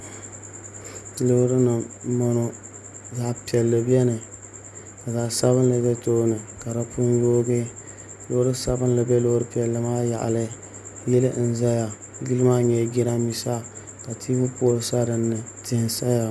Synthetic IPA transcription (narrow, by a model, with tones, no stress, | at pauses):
lɨ˦hɾɨ˦nɨ˨˦mɔ˦no˦ | za˨pi˨ɛ˨lːɨ˨bɛ˦nɨ˨ | ka˨za˨sa˦βɨ˦n˦lɨ˨bɛ˦toː˦nɨ˨ka˨ɾa˦pu˦njoː˦ɡe˦ | lo˦ɾɨ˦sa˦bɨ˦n˦lɨ˨bɛ˦lo˦ɾɨ˦pi˨ɛ˨lːɨ˨maː˦ja˨ʔa̰˨lɨ˦ | jɪ˦lɨ˦ʔn̩˨za˦ja˨ | ɡi˦lɨ˦maː˦ɲɛ˨ɡi˦ɾa˦mi˨sa˦ | ka˨tʰi˦bʊ˦po˦lsa˦ɾɨ˨nːɨ˨tɪ˨nsa˦ja˨